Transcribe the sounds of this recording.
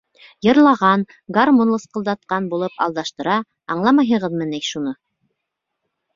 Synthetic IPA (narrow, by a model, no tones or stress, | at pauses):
jɤ̆ɾlˠɑʁɑn | ɡarmonlˠɤsqɤ̆lˠd̪ɑt̪̚qɑnbulˠɤpɑ̰lˠd̪ɑʃt̪ɤ̆ɾɑ | ɑ̰ɴlˠɑmɑjɦɤ̆ʁɤðmɤ̆nejʃunɤ